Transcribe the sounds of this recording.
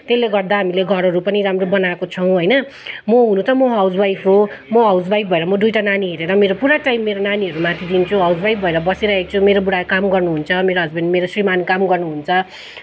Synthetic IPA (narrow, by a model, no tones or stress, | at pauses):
t̪elːeɡʌrd̪aɦamileɡʱʌɾʌɾupʌniɾamrobʌnakot͡sʰʌw̃ɦʌjnʌ | mʌɦunut͡sʌmʌɦawd͡zbajpʰomʌɦʌwd͡zbajp̚bʱʌeɾʌmʌd̪ujʈananiɦeɾeɾʌmeɾopuɾaʈaimːeɾonaniɦʌɾumat̪ʰid̪int͡sʰuɦʌwd͡zbajp̚bʱʌeɾʌbʌseɾʌɦek̚t͡sʰumeɾobuɽakamɡʌrnuɦunt͡sʰʌmeɾoɦʌd͡zbʌndmeɾosrimankamɡʌrnuɦunt͡sʰʌ